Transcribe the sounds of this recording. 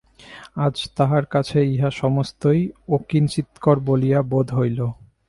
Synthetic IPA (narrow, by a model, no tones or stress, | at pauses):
ad͡ʑt̪aɦaɾkat͡ɕʰeiɦaʃɔmost̪ojokint͡ɕit̪koɾbolijabod̪ʱɦojlo